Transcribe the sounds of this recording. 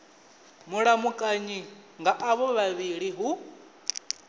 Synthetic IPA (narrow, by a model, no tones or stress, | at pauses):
muɺamukʼaɲiŋɡaʔaβɔβaβiɺiɦu